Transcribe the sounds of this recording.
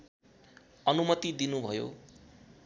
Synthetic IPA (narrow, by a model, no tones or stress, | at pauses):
ʌnumʌt̪id̪inubʱʌjo̰